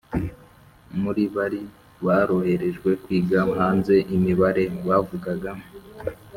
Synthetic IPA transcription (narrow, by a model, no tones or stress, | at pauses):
muɾiβaɾi | βaɾo̞he̞ɾe̞ʒɡwe̞kwiːɡamɦaːnze̞ʔimiβaɾe̞βavuɡaɡa